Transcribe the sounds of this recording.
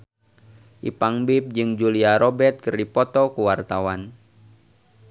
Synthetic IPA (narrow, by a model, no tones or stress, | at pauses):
ʔḭpaŋbɪp̚d͡ʒɨŋd͡ʒuliaɾɔbɛt̪̚kərdipɔt̪ɔkuwart̪awan